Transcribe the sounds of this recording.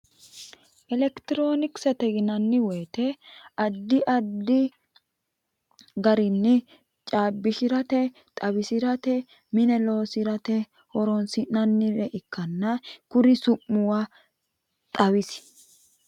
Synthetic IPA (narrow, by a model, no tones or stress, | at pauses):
ʔɛlɛkt̪ɪɾo̞ːnɪksɛt̪ɛɡɪnɐnːɪweːt̪ɛɐd̪ːɪʔɐd̪ːɪ | ɡɐɾɪnːɪ | t͡ʃʼaːbːɪʃɪɾɐt̪ɛ | t̪ʼɐwɪsɪɾɐt̪ɛ | mɪnɛlo̞ːsɪɾɐt̪ɛ | hɔɾɔnsɪnɐnːɪɾɛʔɪkʰːɐnːɐkʊɾɪsʊmːʊwa | t̪ʼɐwɪs